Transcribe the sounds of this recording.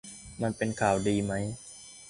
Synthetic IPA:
ma˧npe˧nkʰaː˨˩wdiː˧ma˦˥j

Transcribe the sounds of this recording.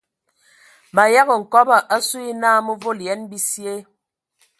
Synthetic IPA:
ma˨ja˦ɣə˨ŋ̩˨kɔ˦ba˨ʔa˦su˦i˦naː˦mu˦vo˦ljɛ˨˦nbi˦sje˦

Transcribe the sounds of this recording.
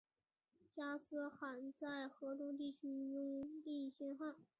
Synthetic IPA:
t͡ɕja˥sɹ̩˥xa˨˩nt͡sa˥˩ɪxɤ˧˥t̪ʊ˥ŋt̪i˥˩t͡ɕʰy˥wə˥ŋli˥˧˥ɕjɛ˥˧nxa˥˩n

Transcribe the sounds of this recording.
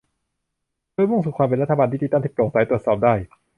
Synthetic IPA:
doː˥˩˨jmu˥˩ŋsuː˨˩kʰwaː˧mp̬e˧nɾa˦˥t̪ʰːa˧baː˧nwiː˥˩t̪iː˧˩t̪a˥˩nt̪iː˦˥˩loː˨˩ŋsaː˨˦jt̪ɾu˨˩ət̪sɔː˨˩p̚daː˥˩j

